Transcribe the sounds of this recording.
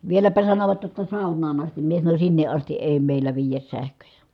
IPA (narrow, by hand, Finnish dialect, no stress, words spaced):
ʋielæpæ sɑnoʋɑt jotːɑ sɑˑu̞nˑɑːn ɑstim mie sɑnonʲ sinːeʔ ʔɑsti ʔeˑi̯ meˑilˑæ ʋiːjæs sæhkøjæ